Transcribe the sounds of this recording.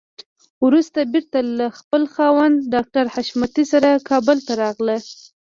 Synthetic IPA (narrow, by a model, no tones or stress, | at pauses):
wɾust̪abiɾt̪alaxpəlxɑwand̪ɖɑk̚ʈaɾhaʃmat̪isaɾakɑbʊlt̪aɾɑɣlə